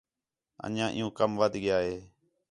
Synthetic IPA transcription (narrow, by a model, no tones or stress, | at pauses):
ə̰ɲãːʔɪ̰jũːkəmʋəd̪ʱɡɪjaːɦeː